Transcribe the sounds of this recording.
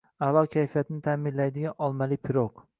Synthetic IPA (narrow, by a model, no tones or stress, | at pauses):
alˠɒkʲʰajfijat̪ʰɪnɪt̪ʰamɪnlajd̪ɪɡʲaʔɒlˠmalɪpʰɪɾoq